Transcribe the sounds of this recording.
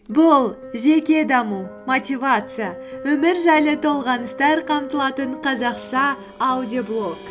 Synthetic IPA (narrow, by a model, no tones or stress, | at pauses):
bʊlˠ | ʒe̞kʲe̞d̪ɑmumot̪ʲivat̪sɨjawɵmɪɾʒɑjlˠət̪ʰo̞lˠʁɑnəst̪ɑɾqʰɑmt̪əlˠɑt̪əɴqʰɑzɑqʃɑː | wdʲioblˠo̞k